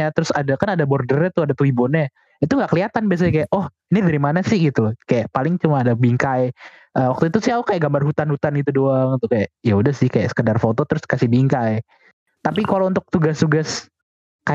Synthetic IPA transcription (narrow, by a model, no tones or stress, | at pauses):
at̪əɾʊsadakanadabɔrdərɲat̪uadat̪uwibɔna | it̪uŋɡaʔkəliat̪anbias̬aɲakajaʔɔh | inidaɾimanasɪhɡit̪ukajaʔpalɪŋt͡ʃumaːdabiŋkaj | ʔəwak̚t̪uit̪usɪhaukajaʔɡambarɦut̪anhut̪anɡit̪̬udoaŋit̪ukajaʔjaudahsɪhkaja̰ʔsə̥kədarfot̪ot̪əɾʊskasɪhbiŋkaj | t̪apikalount̪ʊk̚t̪uɡast̪uɡas | ka